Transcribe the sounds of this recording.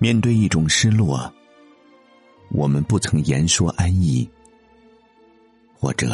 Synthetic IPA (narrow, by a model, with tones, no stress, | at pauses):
mjɛ˥˧nt̪we˥˧ɪi˥˩ʈ͡ʂʊ˨˩ŋʂɻ̩˥lwɔ˥˩ | wʔɔ˨˩mə˦npu˥˩t͡sʰɤ˧˥ŋjɛ˧˥nʂwɔ˥ʔa˥ni˥˩ | xwɔ̰˥˩ʈ͡ʂɤ̰˨˩˦